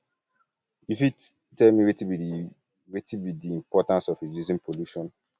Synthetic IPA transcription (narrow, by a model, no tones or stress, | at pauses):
ifi | tɛlmiwetibi | wetibidiĩmpɔtãnsɔfidizĩnpʰoluʃɔ̃n